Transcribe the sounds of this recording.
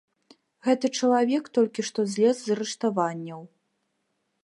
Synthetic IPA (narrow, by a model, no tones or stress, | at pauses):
ɣɛt̪ɨt͡ʂɐlˠavʲɛkt̪ɔlʲkʲiʂt̪ɔzʲlʲɛzzɐɾɛʂt̪avanʲːɐw